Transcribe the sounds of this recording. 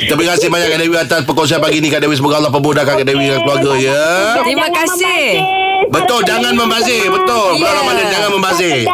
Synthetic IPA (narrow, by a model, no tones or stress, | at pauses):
kit̪əbəkasɪhbaɲaʔkːaʔdewiat̪aspəkonsianpaɡinikaʔdewisəmuɡaalːahp̬əbodahkakaʔdewidəŋankəluaɾɡaijə | imãkasɪh | bət̪ʊld͡ʒaŋanməmbazɪhbət̪ʊlmaalamandənd͡ʒaŋanməmbazɪ